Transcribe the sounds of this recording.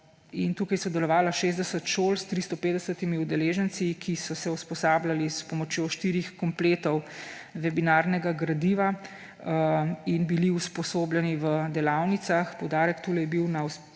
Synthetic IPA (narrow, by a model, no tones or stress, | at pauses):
int̪uːkajsɔd̪ɛlɔʋaːlaʃeːzd̪ɛsət̪ʃolst̪ɾist̪ɔpeːd̪d̪ɛsət̪imiud̪ɛleːʒənsikʰisɔsɛuspɔsaːblalispɔmɔt͡ʃjoʃt̪iɾixkɔmpleːt̪ɔwʋɛbinaɾnɛɡaɡɾad̪iʋa | inbiliuspɔsoːbljɛniʋəd̪ɛlawnit̪saxpɔwd̪aːɾɛkt̪uːlɛjɛbiwnaus